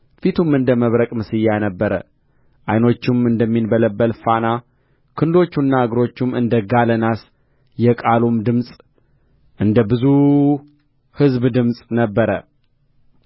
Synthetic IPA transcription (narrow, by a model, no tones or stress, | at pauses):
fit̪ʰumɨnd̪əməβɾəkʼmɨsɨjːanəbːəɾə̰ | ʔajno̞t͡ʃːɪmɨnd̪əmːinbələbːəlfana | kʰɨnɨd̪o̞t͡ʃːunːaɨɡɾo̞t͡ʃːumɨ̰nd̪əɡalənas | jɛkʼalumd̪ɨmsʼ | ʔɨnd̪əbɨzu | hɨzbd̪ɨmsʼnəbːəɾə